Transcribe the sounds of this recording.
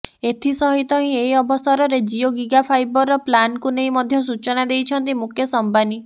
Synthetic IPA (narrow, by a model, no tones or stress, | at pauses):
et̪ʰisɔɦit̪ɔɦĩeɦiɔbɔst̪ʰɔɾɔɾed͡ʒioɡiɡapʰajbɔɾɔplankuneĩmɔd̪ʱjɔs̬ut͡ʃɔnad̪ejt͡ʃʰɔnt̪̬imukʰjɔsɔmbani